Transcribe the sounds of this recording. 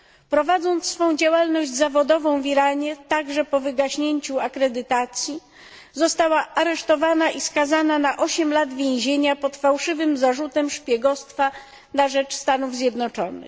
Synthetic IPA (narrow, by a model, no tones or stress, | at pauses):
pɾɔvad̪zɔnt̪sfɔ̃w̃d͡ʑawalnɔʑd͡ʑzavɔd̪ɔvɔ̃w̃vʲiɾaɲɛt̪aɡʐɛpɔvɘɡaɕɲeɲt͡ɕuakɾɛd̪ɘt̪at̪sʲji | zɔst̪awaʔaɾɛʂt̪ɔvanaʔiskazananaʔɔɕɛmlad̪vʲjẽw̃ʑeɲapɔt̪fawʂɘvɘmzaʐut̪ɛmʂpʲjɛɡɔst̪fa | naʐɛt͡ʂst̪anuvzʲjɛd̪nɔt͡ʂɔnɘ̰x